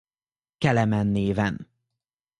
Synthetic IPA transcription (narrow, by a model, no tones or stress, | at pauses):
kɛlɛmɛnːeːvɛn